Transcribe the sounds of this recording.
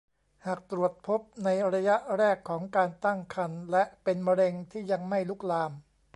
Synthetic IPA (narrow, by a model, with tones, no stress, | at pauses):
haː˨˩k̚t̪ɾu˨˩ət̪̚pʰo˦˥p̚na˧jɾa˧ja˦˥ʔɾɛː˥˩kʰːɔː˩˦ŋkaː˧nt̪a˥˩ŋkʰa˧nlɛ˦˥ʔpe˧nma˧ɾe˧ŋt̪ʰiː˥˩ja˧ŋma˥˩jluː˦˥˩k̚laː˧m